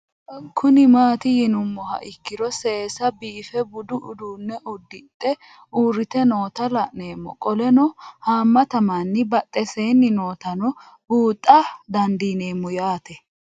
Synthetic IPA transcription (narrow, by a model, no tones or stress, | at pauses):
kʰʊnɪmaːt̪ɪjɪnʊmːɔhɐ̰ʔɪkːɪɾɔseːsɐbiːfɛbʊd̪ʊʔʊd̪uːnːɛʔɔd̪ːɪt̪ʼːɛ | uːɾɪt̪ɛno̞ːt̪ɐlɐʔne̞ːmːɔ̰kʼɔlɛnɔhaːmːɐt̪ɐmanːɪbɐt̪ʼːɛseːnːɪno̞ːt̪ɐnɔ | buːt̪ʼːɐd̪ɐnd̪iːne̞ːmːɔjaːt̪ɛ